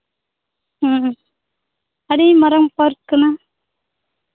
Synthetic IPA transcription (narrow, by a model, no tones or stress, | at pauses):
ɐɽimɐɾɐmpaɾkːɯna